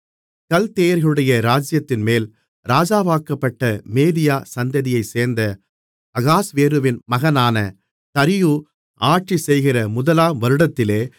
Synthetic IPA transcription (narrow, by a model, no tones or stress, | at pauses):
kɐlt̪eːjɐɾɣɐɭɯɽɐjɐɾaːd͡ʒɪjɐt̪ːɪnmeːl | ɾaːd͡ʒaːʋaːkɐpːɐʈːɐmeːðɪjaːsɐnd̪ɐðɪjɐɪseːɾnd̪ɐ | ɐɣaːsʋeːɾɯʋɪnmɐɣɐnaːnɐ | t̪ɐɾɪju | ʔaːʈ̚t͡ʃisɛjɣɪrɐmʊðɐlaːmʋɐɾɯɽɐt̪ːɪleː